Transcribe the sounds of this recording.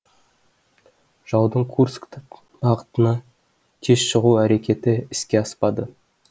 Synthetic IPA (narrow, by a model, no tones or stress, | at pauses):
ʒ̥ɑwd̪əɴkʰurskt̪ | bɑʁət̪ənɑ | t̪ʰeʃʃəʁuæɾe̞kʲe̞t̪ɪɪskʲe̞ɑspɑd̪ə